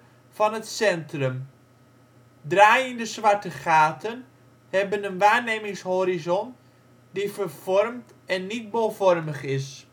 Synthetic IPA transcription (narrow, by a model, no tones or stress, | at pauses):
fɑnɦətsɛntrəm | draːjəndəsʋɑɹtəχaːtən | hɛbənənʋaːɹneːmɪŋshoːɾizɔn | difəɹv̥ɔrmt | ɛnːit̚bolˠvɔrməχɪs